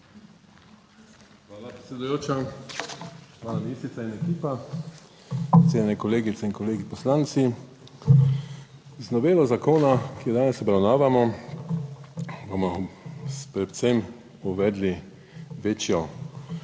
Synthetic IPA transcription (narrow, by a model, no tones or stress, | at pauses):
xʋaːlapɾet̪sʲɛd̪ujoːt͡ʃa | ʋaːnamisɾit̪ainɛkiːpa | t̪seːnnɛkɔleːɡit̪sɛinkɔleːɡipɔslant̪si | znɔʋeːlɔzakoːnakijɛd̪aːnɛsɔbɾawnaːʋamɔ | bomɔ | pɾɛw̪sem | uʋɛd̪li | ʋeːt͡ʃjɔ